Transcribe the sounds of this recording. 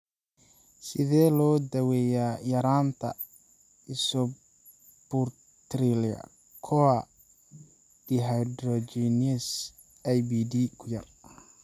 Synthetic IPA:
sɪðɛːlɔːd̪ɐwɛːjaːjɐɾaːnt̪ʰɐ̰ | ɪsɔ | bʊr | t̪ɾiliɐ̰ | kʰɔa | d̪̥iɦad̪ɾɔd͡ʒinɛs | ajbid̪ikʰʊjɐ̰r

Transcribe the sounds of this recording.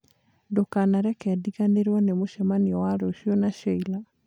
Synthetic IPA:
dokanaɾɛkɛdiɣaneɾwɔnemoʃɛmaniɔwaɾoʃjɔnaɕɔila

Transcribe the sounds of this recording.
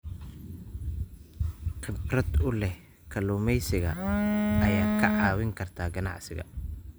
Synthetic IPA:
qɪbrɐd̪ʊlɛh | kʰɐlʊːmɛjsɪɣɐ̰ɐjaːkʰɐʕɑːwɪŋkʰɐrt̪ʰaːɡɐnɑ̰ʕsɪ̰ɣɐ̰

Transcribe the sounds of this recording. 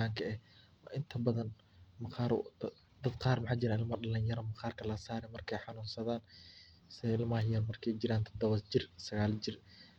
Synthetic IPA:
aːŋkʰɐɛh | wɑ̰ːʔɪnt̪ʰɐbɐðɐn | mɐqɑːɾ | d̪ɐd̪̚qɑːrmɑħaːt͡ʃɪɾaɪlmɐɖɐlɐɲjɐɾɔmɐqɑːrkʰɐlɐsaːɾɛmɐrkʰɛjħɑnuːnsɐðaːn | sɪlmɐhjɐlmɐrkʰɛjt͡ʃɪɾaːnt̪ʰɔd̪ɐβɐd͡ʒɪrsɐɣaːld͡ʒɪr

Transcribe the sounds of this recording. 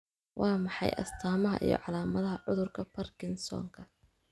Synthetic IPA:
wʔɑːmɑħɑ̰jʔɐ̰st̪ʰaːmɐɦɐ̰ʔḭjɞ̰ʕɑlaːmɐðɐɦɐʕʊðʊrkʰɐpʰɐrkʰɪnsɔ̰ːŋkʰɐ

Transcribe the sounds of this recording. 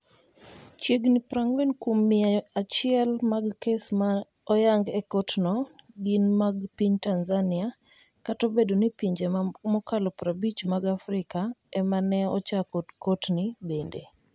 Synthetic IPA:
t͡ʃjeɡnipɾaŋwɛnkwomːɪaat͡ʃɪɛlmaɡkesma | ɔjaŋɡɛkotnɔɡɪnmaɡpiɲtanzanɪa | katobedonipiɲd͡ʒemɔkalɔpɾabit͡ʃmaɡafɾɪkaɛmanɛɔ̰t͡ʃakɔdkotnibendḛ

